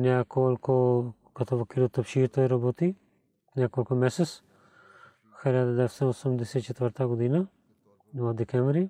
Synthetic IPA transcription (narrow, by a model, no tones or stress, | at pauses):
nɛkɔlʲko | ɡat̪ovɔkid̪ut̪əpʃit̪ɔjɾɔbɔt̪i | nɛkolʲkumɛsɛt̪s | xilʲad̪ad̪ɛɛst̪ɔɔsumd̪ɛsɛt̪it͡ʃɛt̪vəɾt̪aɡod̪ina | vɔd̪ɛkɛmvɾi